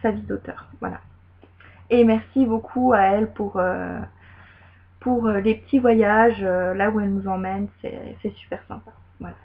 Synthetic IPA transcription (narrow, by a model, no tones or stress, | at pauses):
savid̪ot̪œ̰ːʁvwa̰la̰ | emɛʁsibokʰuaɛlpuʁø̰ | puʁølepə̥t̪ʰivwajaʒølauɛlnuzɑ̃mɛnsɛ̰sɛsy̥pɛʁsɛ̰̃pḁ | vwala